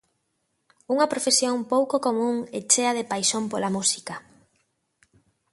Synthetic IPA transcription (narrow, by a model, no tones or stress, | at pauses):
uŋɐpɾofesjoŋpowkokomũŋet͡ʃeɐðepajʃompolamusi̥kɐ